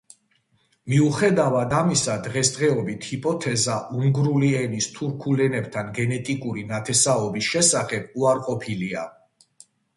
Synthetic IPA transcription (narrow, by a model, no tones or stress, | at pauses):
miuχɛd̪avad̪amisad̪ʁɛsd̪ʁɛɔbit̪ʰhipʼɔt̪ʰɛzaʔuŋɡɾuliɛnist̪ʰuɾkʰulɛnɛb̚t̪ʰanɡɛnɛt̪ʼikʼuɾinat̪ʰɛsaɔbisʃɛsaχɛb̥̚uaɾqʼɔpʰilia